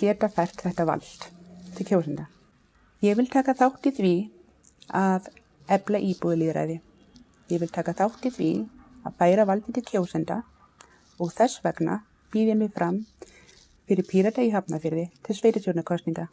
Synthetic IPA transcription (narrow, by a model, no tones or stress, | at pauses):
cɛːt̪afajr̥t̪θɛht̪ava̰lt̪t̪ʰɪlkʰoːwsɛnt̪a | jɛɣvɪlt̪ʰaːkaθawht̪iθvi | að | ɛplaʔipuðɪliːðɾa̰ːjðɪ | jɛɣvɪlt̪ʰaːkaθawht̪iθvia̰ðfaːjɾavalt̪ɪt̪ʰɪlcʰoːwsɛnt̪a | ɔɣθɛsːvɛkna̰ | piːðjamɪɣfɾam | fɪɾɪɾpʰiɾat̪aiɦapnafɪɾðɪt̪ʰɪlsveːjɾɪt̪ʰowɾt̪nakʰɔst̪niŋka